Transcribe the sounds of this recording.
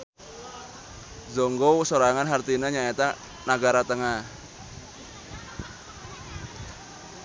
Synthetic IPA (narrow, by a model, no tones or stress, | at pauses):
zɔŋɡowsoɾaŋanɦart̪inəɲaet̪a | naɡaɾat̪əŋah